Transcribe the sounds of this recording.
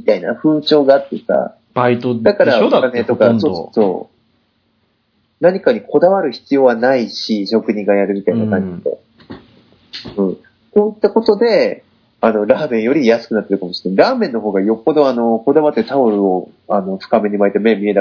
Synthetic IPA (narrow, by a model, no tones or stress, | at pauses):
mit̪aina̰ɸɯ̟ːt͡ɕo̞ːɡat̪ːeka̰ | b̥ait̪od̪akaɾaokanet̪o̞kasoso̰ː | naɲ̟ikaɲ̟iko̞d̪aβaɾɯ̟çi̥t͡sɨjo̞ːβanaiɕiɕo̞kɯ̟ɲ̟ĩŋɡajaɾɯ̟mʲit̪ainakãɲ̟d͡ʑid̪ḛ | ɯ̟̃ː | so̞ːit̪ːako̞t̪o̞d̪e̞ | ano̞ɾaːmẽ̞ɰ̃jo̞ɾʲijasɨ̥kɯ̟nat̪ːeɾɯkamoɕi̥neɾaːmẽ̞nːo̞ɦo̞ːɡajo̞kːo̞d̪o̞ano̞ko̞d̪aβat̪ːe̞t̪aoɾɯ̟o̞ | ano̞ɸɯ̥kame̞ɲ̟imaet̪eme̞mʲie̞a